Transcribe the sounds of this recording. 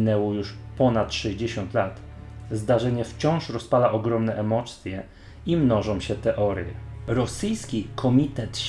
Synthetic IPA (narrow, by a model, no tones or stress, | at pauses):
nɛwɔjuʂpɔnat̪ʂɛʑd͡ʑeɕɔnt̪lat̪ | zd̪aʐɛɲɛft͡ɕɔ̃w̃ʂɾɔspalaʔɔɡɾɔmnɛʔɛmɔt̪sʲjɛ | imnɔʐɔ̃w̃ɕɛt̪ɛʔɔɾjɛ̰ɾɔsɘjskʲikʰɔmʲit̪ɛt̪